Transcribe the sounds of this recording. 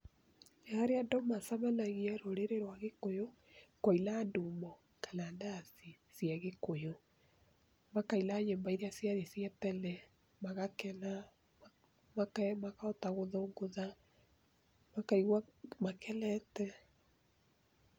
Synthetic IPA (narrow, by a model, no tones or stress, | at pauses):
jaɾeadɔmasamɛnaɣiɛɾoɾeɾeɾwaɣekojo | kɔilandumɔ | kalandasi | siaɣekojo | makailaɲembaiɾeasjaðesjatɛlɛ | maɣakɛna | makɛmakaɔtaɣoðoːŋɡoða | makaiɣwamakʰɛlɛtɛ